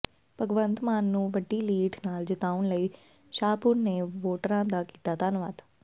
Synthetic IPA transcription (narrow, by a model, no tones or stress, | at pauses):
pəɡʋənt̪maːnːũːʋəɖːiːliːʈʰnaːld͡ʒɪt̪aːʊɳləiː | ʃaːpʊnːeːʋoːʈəɾãːd̪aːkiːt̪aːt̪aːnʋa̰ːd̪